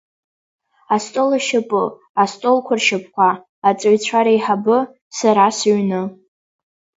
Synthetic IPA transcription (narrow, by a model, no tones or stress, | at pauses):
astʼolaʃɪpʼɨ | astʼolkʷʰarʃapʰʼkʷaː | t͡sʼaɥt͡ɕʷʰaɾaiħabɨ | saɾasɥnɨ